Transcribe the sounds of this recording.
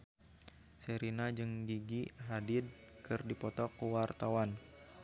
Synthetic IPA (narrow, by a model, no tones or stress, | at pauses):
seɾinad͡ʒɨŋɡiɡiɦadɪd̚ | kʰɨrdipɔt̪ɔkuwart̪awan